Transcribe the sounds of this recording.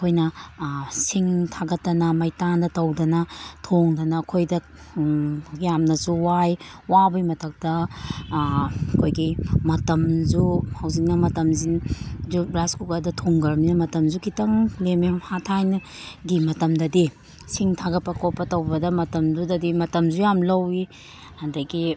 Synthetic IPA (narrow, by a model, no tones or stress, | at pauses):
ɐkʰojnɐ | siŋtʰaɡɐtːɐnɐmɐjtandɐtɐwdɐnɐtʰoŋdɐnɐːkʰojdɐ | jamnɐsuwaj | wabɐjmɐtʰɐk̚tɐ | ɐkʰojɡimɐtɐmzuhawzik̚nɐmɐtɐmzinzubɾaskukadɐtʰoŋɡɐɾminɐmɐtɐmzukʰitɐŋlememhatʰajnɐ | ɡimɐtɐmdɐdi | siŋtʰaɡɐpɐkopːɐtɐwbɐdɐmɐtɐmzudɐdimɐtɐmzujamlɐwi | hɐndajɡi